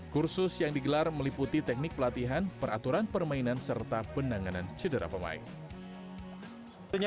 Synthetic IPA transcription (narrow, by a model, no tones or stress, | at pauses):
kursʊsjaŋdiɡəlarməliput̪it̪ɛk̚nɪk̚pəlat̪iɦanpəɾat̪uɾanpərmainansərt̪apəndaŋanant͡ʃədəɾa̰pəma̰ɪ̰n | t̪uɲ